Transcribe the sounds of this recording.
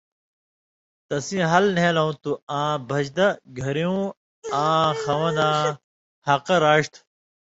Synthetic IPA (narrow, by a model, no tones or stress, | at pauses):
t̪ɐsĩɦɐlnelɐũt̪uãːbʱɐd͡ʑd̪ɐɡʱɐɾiũ | ãːxɐwɐ̃nãː | hɐqɐɾaːʂt̪ʰ